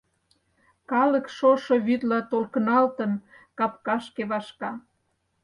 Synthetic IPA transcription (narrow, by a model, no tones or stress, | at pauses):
kɑlə̆kʃoʃoβyt̪lɑt̪olkənɑlt̪ən | kɑpkɑʃkeβɑʃkɑ